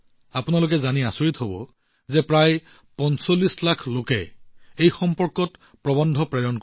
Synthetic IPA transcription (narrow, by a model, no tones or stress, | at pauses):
apʊnalok̬ɛzaniasoɹitɦobɔ̰ | zɛpɹaj | pɔnsolːislakʰlokɛ̰ejxɔmpɔɹkɔt | pɹɔbɔndʱɔpɹɛɹɔnk